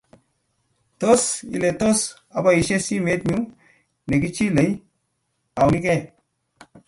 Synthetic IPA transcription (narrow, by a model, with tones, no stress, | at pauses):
to˦sḭ˨le˨t̪o˦s | a˨ba˦˨i˨ʃe˦si˦me˨˦t̪̚ɲu˦ | le˨ki˦t͡ʃi˦le˨˦j | a˨wi˦ke˦˨